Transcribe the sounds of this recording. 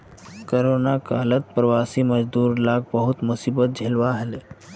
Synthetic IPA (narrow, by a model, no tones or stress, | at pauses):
koɾonakaːlət̪̚pɾəʋasiməd͡ʒd̪uːɾlaːɡ̚bəɦʊt̪musiːbət̪̚d͡ʒʱelʋaɦele